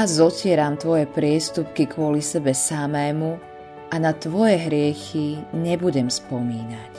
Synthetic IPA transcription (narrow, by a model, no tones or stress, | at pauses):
azɔcɪɛɾamt̪ʋɔjɛpɾɪɛst̪up̚kikʋʊɔlisɛbɛsamɛːmu | ʔanat̪ʋɔjɛɦɾɪɛxiɲɛbuɟɛmspɔmiːnac